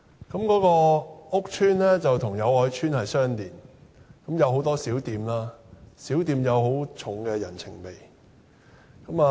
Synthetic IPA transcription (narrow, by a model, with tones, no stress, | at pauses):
kɐ˨˥mkɔː˨˥kɔː˧ʊ˥k̚t͡ʃʰyː˥nlɛː˥t͡sɐ˨wt̪ʰʊ˨˩ŋjɐ˨˧wɔː˨˥jt͡ʃʰyː˥nhɐ˨jsœː˥ŋt̪iː˨˩nkɐ˨˥mjɐ˨˧whɦo˨˥wt̪ɔː˥siː˨˥wt̪iː˨mlaː˥siː˨˥wt̪iː˨˧mjɐ˨˧wɦo˨˥wt͡ʃʰʊ˨˥ŋkɛː˧jɐ̰˨˩nt͡sʰɪ̰˨˩ŋpe˨j | kɐ˨˥maː˨